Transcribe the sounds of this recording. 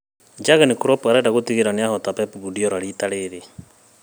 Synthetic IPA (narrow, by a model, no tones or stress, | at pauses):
d͡ʒaɣanikuɾɔpuaɾɛdaɣotiɣeɾaneahɔtapɛpuβudiɔɾaɾitaɾeɾe